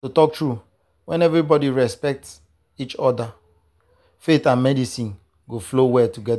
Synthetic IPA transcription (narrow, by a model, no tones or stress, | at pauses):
totɔk̚tɹu | wɛ̃nɛvɾibɔdiɹɛspɛk̚ts | it͡ʃɔda | fetãnmɛdisĩn | ɡoflowɛtuɡɛda